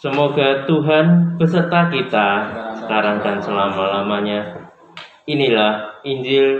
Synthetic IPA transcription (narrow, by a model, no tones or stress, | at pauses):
səmoɡat̪uɦanb̥əsərt̪akit̪asə̥kaɾaŋdansəlamalamaɲa | inilahiɲd͡ʒɪl